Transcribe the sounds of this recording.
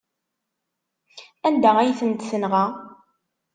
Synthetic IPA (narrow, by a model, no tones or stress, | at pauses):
ænd̪æʁæjθənt̪θənʁa